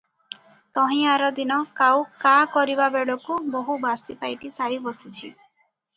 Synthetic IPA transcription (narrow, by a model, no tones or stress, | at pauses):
t̪ɔɦĩaɾɔd̪inɔkawkakɔɾibabeɭɔkuboɦubasipajʈisaɾibɔsit͡ʃʰḭ